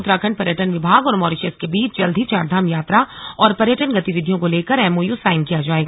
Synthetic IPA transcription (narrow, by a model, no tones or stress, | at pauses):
t̪ɾakʰɐ̃ɳɖ̚pɐɾjəʈənʋɪbʱaːɡɔːɾmɔːɾɪʃəskebiːt͡ʃd͡ʒɐld̪ʱit͡ʃaːɾd̪ʱaːmjaːt̪ɾaɔːɾpɐɾjəʈənɡɐt̪iʋɪd̪ʱijõkoleːkəɾɛːmoːjusaːɪmkijad͡ʒaːeːɡaː